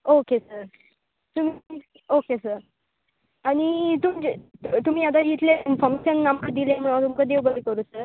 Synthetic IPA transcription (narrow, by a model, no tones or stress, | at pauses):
okesəɾ | t̪um̤i | okesəɾ | aɽ̃it̪umd͡ʑt̪um̤iːat̪̬aɦit̪leinfɔɾmeɕənːamkəd̪ilem̤əɭat̪umkəd̪eʋbəd̪ekəɾusəɾ